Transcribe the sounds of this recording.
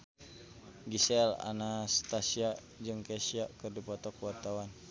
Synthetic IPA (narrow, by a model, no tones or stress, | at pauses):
ɡisɛla̰nast̪asia | d͡ʒɨŋkɛsiakɨrdipɔt̪ɔkwart̪awan